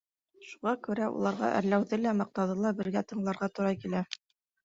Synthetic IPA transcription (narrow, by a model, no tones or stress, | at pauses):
ʃuʁɑkʉɾæṵlˠɑɾʁɑ̰ʔɘ̰ɾlæwðɘlæmɑq̚t̪ɑðɤlˠɑbɘ̆ɾɡæt̪ɤ̆ɴlˠɑɾʁɑt̪ŏɾɑkilæ